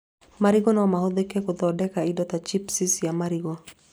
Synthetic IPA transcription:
maɾiɡɔnɔmahod̪ekekod̪ɔdɛkaidɔt̪at͡ʃipsisijamaɾiɡɔ

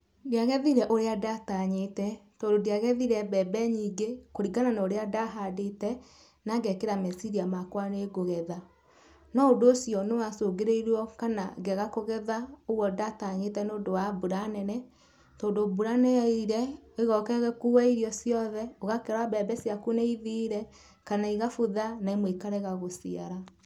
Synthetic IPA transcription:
diaɣɛðiɾɛʔoɾeadataɲetɛtoːndodiaɣɛðiɾɛbɛbɛɲiːɡekoɾiɡananaoɾeadaɦadetɛ | naɡɛkeɾamɛsiɾiamakwaneɡoɣɛða | nɔodoːsiɔnewasoɡeɾeiɾwɔkana̰ɡɛɣakoɣɛðaoɣwɔdataɲetɛnoːdowabuɾanɛnɛ | tɔːndobuɾaneaiɾɛeɣɔkɛɣɛkuwɛiɾjɔsiɔðɛoɣakɛɾwabɛbɛsiakuneiðiːɾɛ | kanaiɣafoðanaimwekaɾɛɣaɣosia̰ɾa

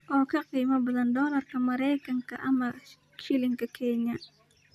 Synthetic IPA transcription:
ʔɔkakəimabulandɔlarkəməɾɛkaŋkaʔama | ʃilɪŋkəkʰɛɲa

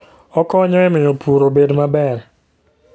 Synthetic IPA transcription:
ɔkɔɲɔɛmɪopʰuɾobedmabɛɾ

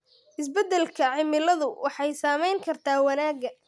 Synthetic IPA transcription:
ʔɪs̬bɐd̪ɛlkʰɐʕɪmɪlɐðʊwʔɑħɑjsaːmɛjŋkʰɐrt̪ʰaːwɑnaːɡɐ

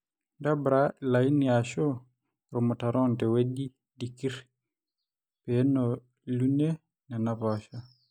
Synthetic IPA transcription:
ndabɾalainiaʃɔ | ɾɔmɔtaɾɔntɛweɗi | dikiɾ | pɛnɔ | lunɛ | nanaβaʃa

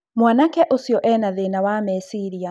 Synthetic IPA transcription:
mwaːnakɛʔosiɔʔɛnaðeːnawamɛsiɾia

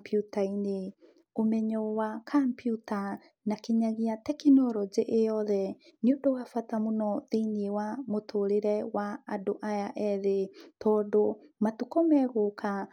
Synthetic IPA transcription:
putaine | omɛɲɔwakʰampjuta | nakeɲaɣiatɛkinɔɾɔd͡ʑeʔejɔðɛneondowafatamonɔðeiniewamotʰoɾeɾɛwaadoʔajaʔɛðetɔːdomatukɔmɛɣoka

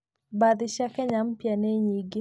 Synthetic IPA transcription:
bad̪ɪʃakɛɲampjaneɲiɡɪ

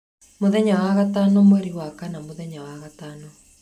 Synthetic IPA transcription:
moðɛɲawaɣataːnomwɛɾiwakanamoðɛɲawaɣataːno

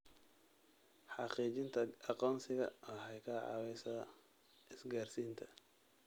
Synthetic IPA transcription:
ħɑqiːt͡ʃɪnt̪ʰɐɑqɔːnsɪɣɐ̰ɔːħɛjkʰaːʕɑ̰ːwɛjsɐɐ | ɪsɡaːrsiːnt̪ʰɐ

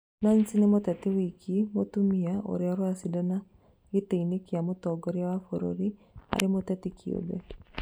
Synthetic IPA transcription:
nansinemotɛtɪwikʰimotumiao̰ɾeɔɾwasidɔna | eteinekiamotɔɡoɾeawafoɾo̰ɾia̰ɾɪmotɛtikʰio̰bɛ

